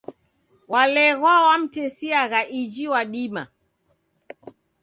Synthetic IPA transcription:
walɛɣwawam̩tɛsiaɣaʔid͡ʒiwaɗima̰

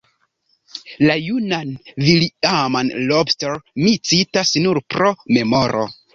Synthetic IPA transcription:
lajunanviliamanlobsteɾmit͡sitasnuɾpɾo̞me̞mo̞ɾʔo̰

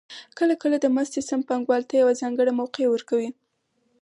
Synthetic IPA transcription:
kəlakəlad̪əmast̪esampaŋɡwɑlt̪ajawazɑŋɡəɽamawqewəɾkawi

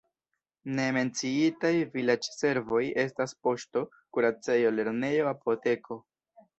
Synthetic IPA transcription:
ne̞me̞nt͡siitajvilad͡ʒse̞ɾvo̞je̞s̬taspo̞ʃto̞ | kuɾat͡se̞jo̞le̞ɾne̞jo̞apʰo̞te̞kʰo̞

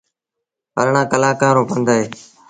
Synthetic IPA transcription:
pəɾɳãːkəlaːkãːɾõːpənd̪aːɦeː

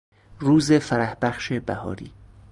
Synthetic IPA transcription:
ruːzefæɾæhbæχʃebæ̰hɒ̰ːɾḭː

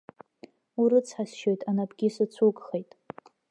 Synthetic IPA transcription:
uɾɨt͡sʰħasʃo̞jtʼanabɡʲisɨt͡sʷʰukʼχejtʼ

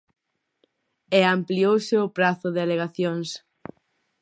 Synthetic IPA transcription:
eampliowsɪʊpɾaθʊðɪaleɣaθjoŋs

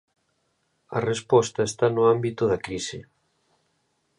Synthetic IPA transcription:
ɐ̰respɔst̪ɐest̪anʊambit̪ʊðɐkɾisɪ

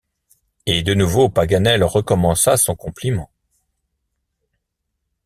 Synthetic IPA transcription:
ed̪ənuvopaɡanɛlʁəkɔmɑ̃sasɔ̃kɔ̃plimɑ̃

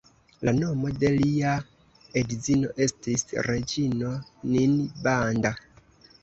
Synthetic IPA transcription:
lanomo̞de̞lia | edizino̞ʔe̞stisɾed͡ʒino̞ninbanda

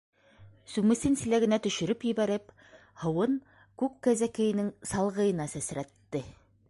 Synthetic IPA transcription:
sʉmɘ̆sɘnsɘ̆læɡɘ̆næt̪ɵ̆ʃɵ̆ɾɵpjɘ̆βæɾɘp | hɤ̆wɤn | kʉkːæzækɘ̆jɘ̆nɘŋsɑlˠʁɤ̆jɤ̆nɑsæsɾæt̪ːɘ

